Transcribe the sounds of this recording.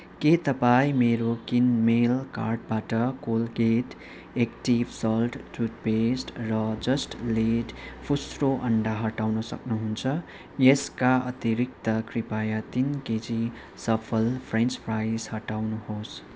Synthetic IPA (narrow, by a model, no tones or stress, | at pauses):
ket̪ʌpaĩmeɾokinmelka̰rʈ̚baʈʌkolɡeʈ | ekʈibsʌlʈʈut̚pesʈrʌd͡zʌsʈleʈpʰusroʔʌɳɖaɦʌʈawnʌsʌ̰knuɦunt͡sʰʌ | jeskaʌt̪iɾik̚t̪ʌkripajat̪inked͡zi | sʌpʰʌlpʰrent͡sprajshʌʈawnuhos